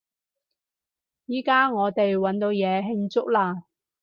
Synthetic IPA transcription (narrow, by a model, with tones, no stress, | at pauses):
jiː˨kaː˥ŋɔː˨˧t̪e˨jwɐ˨˥nt̪o˨˧wjɛː˨˧ɦɪ˧ŋt͡sʊ˥k̚laː˧